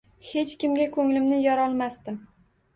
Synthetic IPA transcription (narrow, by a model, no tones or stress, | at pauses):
he̞t͡ʃkʲɪmɡʲakʰɵŋlɪmnɪjɒɾɒlˠmast̪ɪm